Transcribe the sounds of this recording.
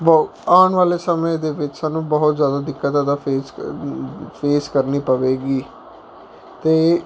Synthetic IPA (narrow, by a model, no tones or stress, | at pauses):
b | aːɳʋaːleːsəmẽd̪eːʋɪt͡ʃsaːnũːbəɦʊt̪zjaːd̪aːd̪ɪkːət̪ãːd̪apeːs | pʰeːskəɾniːpəʋeːɡiː | t̪eː